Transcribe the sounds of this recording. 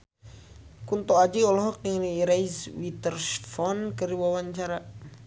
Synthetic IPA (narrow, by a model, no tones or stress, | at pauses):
kunt̪ɔad͡ʒiɔlɔɦɔk̚niŋniɾaiswit̪ərsfɔnkəriwawaɲt͡ʃaɾa